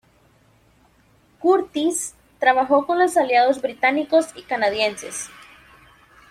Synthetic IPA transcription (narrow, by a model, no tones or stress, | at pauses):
kuɾt̪is | t̪ɾaβaxo̞ko̞nlosaljað̞ozβɾit̪aniko̞sikanaðjense̞̰s